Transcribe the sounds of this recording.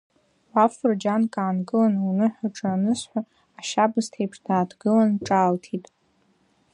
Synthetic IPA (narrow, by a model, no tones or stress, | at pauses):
afrd͡ʒankʼaːnɡʼɨlanwunɨħʷᶣaʈ͡ʂʼɨanɨsħʷaː | ʃabɨztʰejpʰʂdaːdʰɡɨlanʈ͡ʂʼaːltʰitʼ